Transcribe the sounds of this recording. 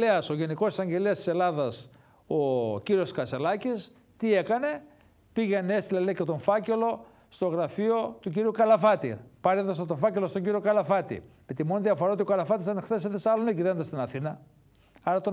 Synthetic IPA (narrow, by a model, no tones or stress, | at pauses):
eɐso̞ʝe̞niko̞si̥sɐɲɟe̞leɐst̪ise̞lɐðɐs | ociɾio̞skɐselɐcis | t̪ie̞kɐne̞ | piʝenee̞st̪ilɐlecet̪o̞ɱfɐce̞lo̞ | st̪o̞ɣɾɐfio̞t̪uciɾiukɐlɐfɐt̪ḭpɐɾet̪ɐst̪ɐt̪ofɐce̞lo̞st̪oɲɟiɾio̞kɐlɐfɐt̪ḭpet̪imonðiɐfoɾɐo̞t̪iokɐlɐfɐt̪isɐnexθe̞seðisɐloneciðend̪ɐst̪inɐθinɐ | ɐɾɐt̪o